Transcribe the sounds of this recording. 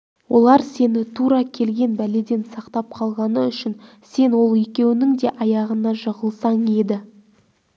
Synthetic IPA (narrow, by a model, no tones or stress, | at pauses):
wo̞lˠɑɾse̞nɪt̪ʰuɾɑkʲʰe̞lɡʲe̞nbæle̞d̪e̞nsɑqt̪ɑp̚qʰɑlˠʁɑnəʏʃɪn | se̞nwo̞lˠe̞kʲe̞wɪnɪŋd̪e̞ʔɑjɑʁənɑʒəʁəlˠsɑɴe̞d̪ɪ